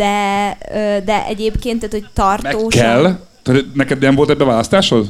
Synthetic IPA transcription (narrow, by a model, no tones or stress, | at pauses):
d̪̥ɛøːd̪ɛʔɛ̰ɟeːpkeːnt̪ːaːt̪hoct̪ɒrtɛoːʃkːɛl | t̪ːt̪nɛkɛd̪nɛɱvolt̪ɛbːɛvaːlɒst̪aːʃhoz